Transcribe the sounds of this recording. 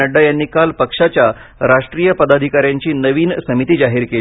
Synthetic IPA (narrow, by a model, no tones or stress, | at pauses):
əɖːajanːiːkalpəkʂat͡ɕjaɾaʂʈɾiːjəpəd̪ad̪ʱikaɾjaɲt͡ɕiːnəʋiːnsəmit̪iːd͡zaɦiːɾkel